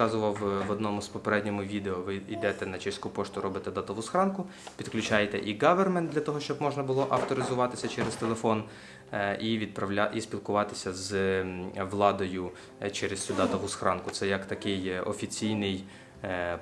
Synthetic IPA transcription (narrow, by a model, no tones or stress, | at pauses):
ɑzʊʋɐwʋɔd̪nɔmʊspɔpeɾɛdʲnʲɔmʊʋʲid̪eɔʋɪid̪ɛt̪ɛnɐt͡ʃɛsʲkupɔʃt̪ʊɾɔbɪt̪ɛd̪ɑt̪ɐʋusxɾɑnkʊ | pʲid̪klʲut͡ʃɑjet̪ɛ̰ʔiɡɑʋermɛnd̪lʲɐt̪ɔɦɔʃt͡ʃɔbmɔʒnɐbʊlˠɔʔɐwt̪ɔɾɪzʊʋɑt̪ɪsʲɐt͡ʃɛɾezt̪elˠefɔn | iʋʲid̪̚pɾɐʋlʲaʔisʲpʲilˠkʊʋɑt̪ɪ̥sʲɐz | ʋlˠɑd̪ɔjʊ | t͡ʃɛɾesʲud̪ɑt̪ɐʋusxɾɑnkʊtsɛjɐkt̪ɐkɪjɔ̰fʲit͡sʲijnɪj